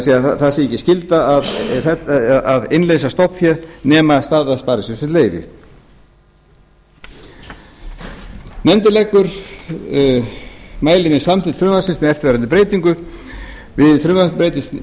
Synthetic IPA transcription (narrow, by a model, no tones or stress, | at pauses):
siaθasɪɛcːɪscɪlt̪aːðθɛaðɪnleːjsast̪ɔhpfjɛðnɛːmast̪aːðaspaːɾɪsʏnsɪnt̪leːjvɪ̰ | nɛnt̪ɪlɛkːʏɾ | maːjlɪnɪsamt̪ɪt̪θɾʏnasɪnsmɛðɛft̪vɛɾanʏpɾeːjt̪iŋkʏ | vɪðθɾʏnvapɾeːjt̪ɪst̪